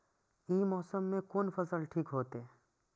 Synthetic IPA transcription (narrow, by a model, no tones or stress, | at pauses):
imɔːsəmːẽkoːnfɐsəlʈʰiːkɦoːt̪eɛ